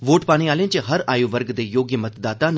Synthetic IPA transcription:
ʋoːʈpaːɽ̃eaːlẽt͡ʃəɦəɾaːjuːʋəɾɡd̪eːjoːɡjəmət̪d̪aːt̪an

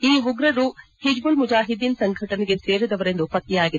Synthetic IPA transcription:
iːɦuɡɾɐɾuhid͡ʒbulmud͡ʒaːɦid̪insɐŋɡʱɐʈɐnɛɡeseːɾud̪ɐʋɐɾe̞nd̪upɐt̪ːijaːɡid̪e

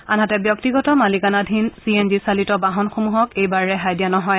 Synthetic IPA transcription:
anɦatɛbjɔk̚tiɡɔtɔmalikanadʱinsienzisalitɔbaɦɔnxomuɦɔkejbaɹɹɛɦajdjanɔɦɔj

